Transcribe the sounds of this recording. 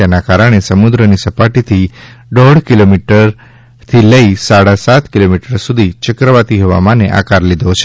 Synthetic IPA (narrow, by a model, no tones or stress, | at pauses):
enakaɾəɽ̃esəmud̪ɾənisəpaʈit̪ʰiɖɔɽkilomiʈəɾ | t̪ʰiləisaɽasat̪kilomiʈəɾsud̪ʱit͡ʃəkɾəʋat̪iɦoʋa̰mãneʔa̰kaɾlid̪ʱot͡ʃʰe